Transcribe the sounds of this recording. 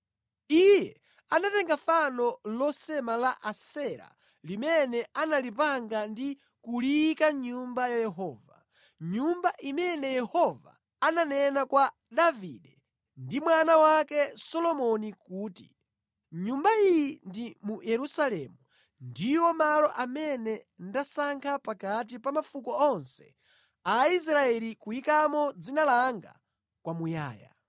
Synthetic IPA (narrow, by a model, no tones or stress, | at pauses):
ijɛ | anatɛŋɡafanɔlɔsɛmalaʔasɛɾa̰ | limɛnɛanalipaŋɡandi | kulikaɲumbajajɛɦɔːva | ɲumbaʔimɛnɛjɛhɔva̰ː | nanɛnakwa | ɗaviɗɛ | ndimwanawakɛsɔlɔmɔnikuːtḭ | ɲumbaijindimujɛɾusalɛmu | ndiwɔmalɔʔamɛnɛndasaŋkʰapakat̬ipamafukɔɔnsɛ̥̰ | ais̬ɾaɛlikujikamɔd͡zinalaŋɡa̰ | kwamuja̰ːja̰